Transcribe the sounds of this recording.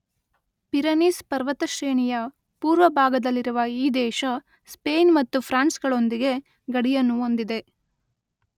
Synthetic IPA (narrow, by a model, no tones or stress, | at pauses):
piɾɐnispɐɾʋɐt̪ɐʃɾeːɳijɐ | puːɾʋɐbʱaːɡɐd̪ɐlːiɾuʋɐiːd̪ɛːʃɐ | speːnmɐt̪ːupʰɾaːnsɡɐɭo̞nd̪iɡe̞ | ɡɐɽijɐnːuo̞nd̪id̪e̞